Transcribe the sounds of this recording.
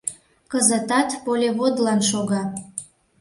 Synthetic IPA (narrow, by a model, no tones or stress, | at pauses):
kəzət̪ɑt̪polʲeβod̪lɑnʃoɣɑ